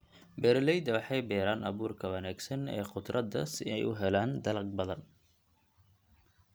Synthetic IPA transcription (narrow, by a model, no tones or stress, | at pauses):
bɛːɾlɛjd̪ɐwɑħɑjbɛːɾaːnʔɑβuːrkʰɐwɐnaːɡsɐnɛ̰ːqʊd̪rʔɐd̪ɐ̰sɪɛ̰jʊɦɛlaːnd̪ɐlɐɡ̚bɐðɐn